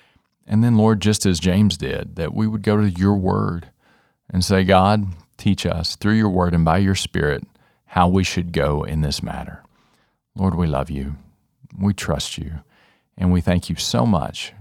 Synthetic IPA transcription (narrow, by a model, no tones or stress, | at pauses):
ʔɨ̃nðɨ̃nlɔɹd̚d͡ʒʌstɨzd͡ʒẽɪ̃mzdɪ̰d̪̚ðɨ̰ʔwiwəd̚ɡoʊɾɨjə˞wɜ̰˞ɾ | ʔɨ̃nseɪɡɑd̚tʰit͡ʃʌ̰sθɹʉjə˞wɜ˞ɾɨ̃nbaɪjə˞spɪ̰ɹɪt̚ | haʊwiʃɨd̚ɡoʊɪ̰̃nðɪsmæ̰ɾə̰˞ | lɔɹd̚wilʌ̰vjʉ | witʰɹ̥ʌ̰st͡ʃʉ | ʔɨ̃nwiθæ̃ŋkʰjɨsoʊmʌ̰t͡ʃ